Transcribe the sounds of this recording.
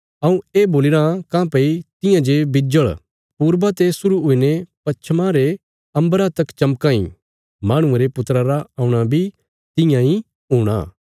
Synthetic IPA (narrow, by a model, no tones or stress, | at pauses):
ɐũeːboːlɪɾãkãːpɐit̪ɪ̃jãd͡ʒebɪd͡ʒəɭ | puːɾbat̪esʊɾuɦʊinepɐt͡ʃʰmãɾe | ɐ̃mbəɾat̪ɐkt͡ʃɐmkãːḭ̃ | maːɽ̃ʊ̃eɾepʊt̪ɾaɾaaːũɽ̃abʱi | t̪ɪ̃jãĩ | ɦuːɽ̃a̰ː